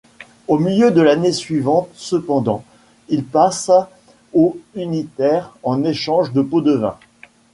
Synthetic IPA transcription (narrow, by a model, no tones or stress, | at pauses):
omiljød̪əlanesɥivɑ̃t̪səpɑ̃d̪ɑ̃ | ilpas | oynit̪ɛʁɑ̃neʃɑ̃ʒd̪əpod̪əvɛ̰̃